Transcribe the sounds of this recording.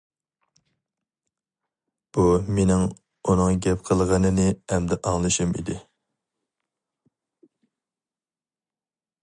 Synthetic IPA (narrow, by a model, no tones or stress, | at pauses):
b̥umenɪŋ | unɨŋɡʲɛpqʰəlˠʁɑnɨnɨɛmd̪ɛʔɑŋlˠɨʃɨmḭd̪ɪ